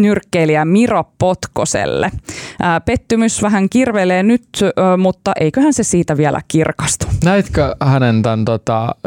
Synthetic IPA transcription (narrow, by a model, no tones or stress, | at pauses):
nyrkːeiliæmiroppot̪kosḛlːḛːpet̪ːymysʋæɦæŋkirʋeleːnyt̪ːmut̪ːɑʔeikøhænsesiːt̪æʋiælʔæ̰kirkɑst̪u̥næit̪køhænent̪ænt̪ot̪ɑ̰